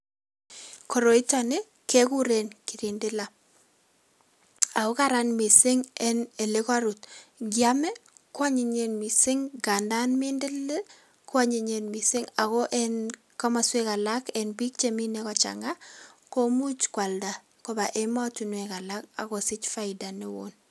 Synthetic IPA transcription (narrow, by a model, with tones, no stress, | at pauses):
ko˨ɾo˨i˦tɔ˨ne˦ | ke˦ku˦ɾenkiɾindɪ˦la˨ | a˨o˦kaɾa˦nmi˨sɪ˦ŋɛ˦ne˨le˦ka˦ɾu˨t̚ɡja˦mɛ˦kwa˦ɲɪ˨ɲe˨nmi˨sɪ˦ŋɡa˨nda˦nmɪ˦ndɪ˦le˦ | kwa˦ɲe˨ɲenmi˨sɪ˦ŋa˨ɣɔ˦ʔɛn | ka˦ma˨swe˦ka˨lake˨nbi˦k̚t͡ʃemi˦nekɔt͡ʃa̰ŋɡa˦ko˦mu˦t͡ʃkwa˨lda˨ | ko˦ba˨ʔemɔ˦tu˨nweka˨laka̰˨ko˨sɪ˦t͡ʃfa˦ɪda˨nɪ˦wo̰n